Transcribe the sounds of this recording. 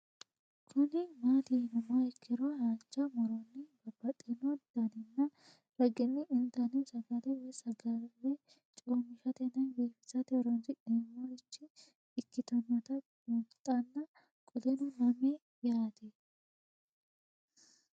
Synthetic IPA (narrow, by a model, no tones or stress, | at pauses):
kʰʊnɪmaːt̪iːnʊmaɪkːɪɾohaːt͡ʃːɐmɔɾɔnːɪbɐbːɐt̪ʼɛnɔd̪̥ɐnɪnːɐ | ɾɐɡɪnːɪʔɪnt̪ɐnɪsɐɡɐd̪ɛwɛsɐɡɐlːɛ | t͡ʃʼoːmɪʃɐt̪ɛnɐnɡiːfɪ̥sɐt̪ɛɾɔnsɪᶑemːoɪt͡ʃːɪː | kːɪt̪ɔnːɐt̪ɐ | ut̪ʼːɐnːɐ | kʼɔd̪ɛnʊmɐme | jaːt̪ɛ